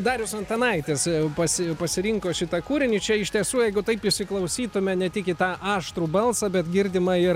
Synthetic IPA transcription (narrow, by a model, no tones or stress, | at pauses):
d̪ɑːɾʲjɪsɐnt̪ɐnɐɪt̪ʲeːspɐsʲɪpɐsʲɪɾʲɪŋkoːʃʲɪt̪ɐkuːɾʲɪnʲɪt͡ʃʲɛɪʃʲt̪ʲiɛsuːjɛɪɡʊt̪ɐɪpɪʃʲsʲɪklˠɐʊsʲiːt̪ʊmʲɛnʲɛt̪ʲɪkʲɪt̪ɑːʔɑːʃt̪ɾuːbɐlˠsɐbʲɛt̪ɡʲɪrʲd̪ʲɪmɐɪr